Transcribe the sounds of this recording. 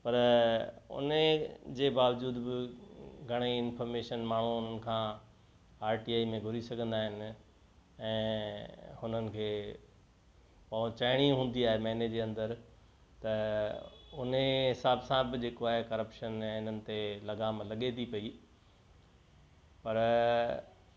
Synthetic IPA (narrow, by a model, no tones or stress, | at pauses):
pɐɾ | ʊ̰ned͡ʑeːbaːʋd͡ʑuːd̪bɪɡʱɐɽ̃eɪnfəːɾmeːʃənmaːɳ̤uʊn̤ənɪ̆kʰãː | aːɾʈiːaːimẽɡʱʊɾisɐɡʱə̃nd̪aːɦɪnɪ̆ | ɛ̃ː | hʊn̤ənɪ̆kʰeː | pɐũt͡ɕɐɪɽ̃iɦũːn̆d̪iaːɦemɛɦned͡ʑeːɐ̃nd̪əɾ | t̪ɐ | ʊneɦɪsaːbsãbɪd͡ʑeːkoaːɦekɐɾəpʃənɛ̃ɪn̤ənɪ̆t̪elɐɡaːmlɐɠet̪ʰipɐi | pɐɾ